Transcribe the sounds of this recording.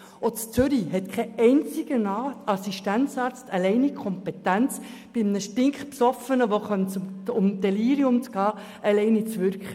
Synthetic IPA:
ot͡st͡sʏɾiɦɛtkʰɛɛɪnt͡sɪɡənɑɑsiʃtænt͡sɑːɾt͡stʰɑlɛɪnikʰχɔmpɛt̪ænt͡s | b̥ɪmnəʃtɪŋkχpsɔfənəʋoχœnt͡sʊmd̥ɛliːɾjʊmt͡sɡ̥ɑː | ʔɛlɛɪnit͡sʋʏɾkχə

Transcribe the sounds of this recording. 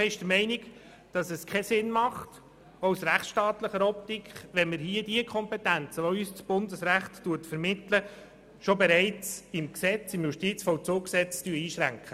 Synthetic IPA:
ɛɪʃtd̥əmɛɪnik | d̥ɑsəskʰɛsɪnmɑχt | ɔwsɾæχʃtɑːt̪ləχəɾɔp̚tikχʋɛnmɪɾɦiəd̥iəkʰχɔmpɛtænt͡səʋoyːst͡sb̥ʊndəsɾæχtːuətfəɾmɪtlə | ʃɔbɛɾɛɪt͡sɪmksɛt͡sɪmjuʃtit͡sfɔʊt͡soːksɛt͡styəiːʃɾæŋkʰχə

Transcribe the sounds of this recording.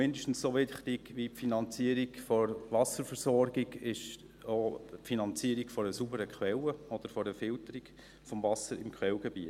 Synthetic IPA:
mɪndəʃtn̩ssoʋɪχtɪɡʋipfinɑnt͡siəɾiɡfɔɾʋɑsəɾfəɾsɔɾɡiɡɪʃ | oːpfinɑnt͡siəɾikfɔɾəsubəɾəkʰχʋɛləɔd̥əɾfɔɾəfɪltəɾiɡ̥ | fɔmvɑsəɾɪmkχʋɛwɡ̥ɛbiə

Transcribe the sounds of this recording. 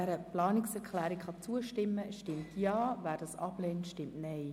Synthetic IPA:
ɛɾəplɑːnɪksɛɾkʰlɛːɾikχɑt͡suəʃtɪmːəʃtɪmtʰjɑːvæːɾd̥ɑsɑb̥lɛːntʃtɪmtnɛɪ

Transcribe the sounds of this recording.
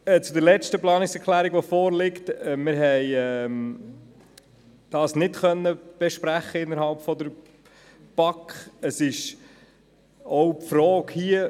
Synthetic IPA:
ɛt͡sudəɾlɛt͡ʃtəplɑːnɪksɛɾklæːɾiɡʋɔfɔːɾlɪktːmɪɾɦɛjɛm | d̥ɑːsnɪtχœnːəb̥ɛʃpɾæχəɪnːəɾhɑlpfɔd̪əɾ | b̥ɑkχəsɪʃ | oʊpfɾɔːkhiə

